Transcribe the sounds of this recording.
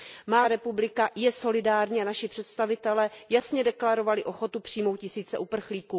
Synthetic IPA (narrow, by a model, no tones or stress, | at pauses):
maɾɛpublɪkajɛso̞lɪdaːɾɲiːanaʃɪpr̝̥ɛt̪st̪avɪt̪ɛlɛːjasɲɛdɛklaɾo̞valɪʔo̞xo̞t̪upr̝̥iːjmowt̪̚cɪsiːt͡sɛʔupr̩xliːkuː